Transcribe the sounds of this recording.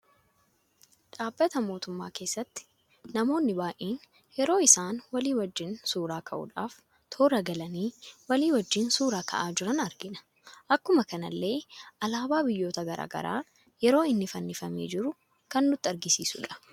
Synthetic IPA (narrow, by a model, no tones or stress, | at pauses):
ᶑaːbːɐt̪ɐmo̞ːt̪ʊmːa̰ːke̞ːsːɐt̪ːɪ̥ | nɐmo̞ːnːɪbaːʔeːn | jɛɾo̞ːɪsaːnwɐliːwɐd͡ʒːɪnsuːɾaːkʰɐʔʊ̰ᶑaːf | t̪ʰoːɾɐɡɐlɐniːwɐliːwɐd͡ʒːɪnsuːɾaːkʰɐ̰ʔaːd͡ʒɪɾɐnɐɾɡɪnɐ̥ | ʔɐkːʊmɐkɐnɐ̰lːe̞ːʔɐlaːbaːbɪjːo̞ːt̪ɐɡɐɾa̰ːɡɐ̰ɾa̰ː | jɛɾo̞ːɪnːɪfɐnːɪfɐmeːd͡ʒɪɾʊ | kɐnːʊt̪ːɪɐɾɡɪsiːsʊ̰ᶑɐ̥